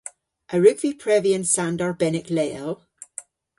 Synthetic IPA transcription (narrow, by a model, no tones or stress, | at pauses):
ʔəɹʉɡv̥ipʰɹ̥ɛviə̃nsãndəɹbɛnɪklɛlˠ